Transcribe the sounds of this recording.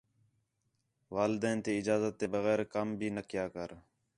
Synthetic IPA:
ʋaːlɪd̪ɛ̃ːnt̪eːɪd͡ʒaːzət̪̚ːeːbəɣɛːɾkəmbʱiːnəkɪjaːkəɾ

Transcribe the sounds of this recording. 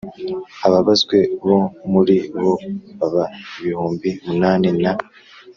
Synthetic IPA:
aβaβazɡwe̞βo̞muɾiβo̞βaβaiβihuːmbimunaːnena

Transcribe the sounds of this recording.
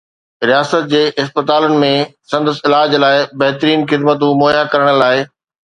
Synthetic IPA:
ɾijaːsət̪̚d͡ʑeːʔɪspət̪aːlənɪ̆mẽsɐ̃nd̪əsɪlaːd͡ʑlaːɪbɐɦt̪ɾiːnxɪd̪mət̪ũmoːjakɐɾəɽ̃ə̆laːɪ

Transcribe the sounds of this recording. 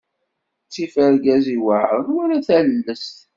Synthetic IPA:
t͡sːifəɾɡæziwəʕɾˤənwæɾæθællːəst̪

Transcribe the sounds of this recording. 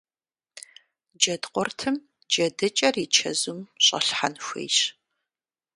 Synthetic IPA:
d͡ʒɐdqʷɔrtʰɨm | d͡ʒɐdɨt͡ʃʼɐrit͡ʃʰɐ̰zumɕʼɐ̰ɬħa̰nxʷḛːɕ

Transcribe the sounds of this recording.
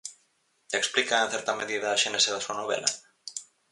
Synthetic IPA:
eksplikaẽn̟θɛɾt̪ameðiðaːʃeneseðasuɐnoβɛ̰lʔa̰

